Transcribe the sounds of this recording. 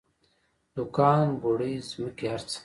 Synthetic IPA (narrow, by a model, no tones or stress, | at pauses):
d̪ukaːnɡoɽizmikiɐɾt͡s